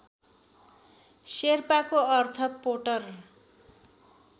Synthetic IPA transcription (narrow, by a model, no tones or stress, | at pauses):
serpakoʌrt̪ʰʌpoʈʌr